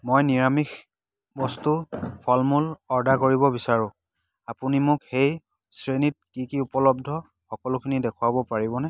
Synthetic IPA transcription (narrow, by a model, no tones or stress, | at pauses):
mojniɹamix | bɔstupʰɔlmulɔɹdakoɹibɔbisaɹʊ̃ | apunimʊkxej | sɹenit̚kikiupɔlɔb̚dʱɔ | xɔkɔlʊkʰinidɛkʰʊwabɔpaɹibɔnɛ